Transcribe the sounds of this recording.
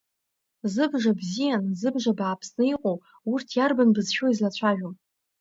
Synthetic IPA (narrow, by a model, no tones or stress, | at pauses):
zɨbʐabzijanzɨbʐabaːpʰsnɨiqʼow | urtʰjarbanbɨzʃoizlat͡ɕʷʰaʒᶣom